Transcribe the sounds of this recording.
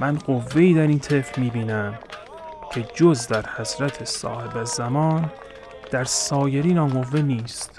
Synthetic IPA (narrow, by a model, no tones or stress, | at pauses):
mænɢovːe̞iːd̪æɾiːnt̪ʰe̞fɾmiːbiːnæm | cʰe̞d͡ʒozd̪æɾhæsɾæt̪ʰesɒ̰ːhe̞bæzæmɒːn | d̪̥æɾsɒːjeɾiːnɒːɡo̞vːe̞niːst̪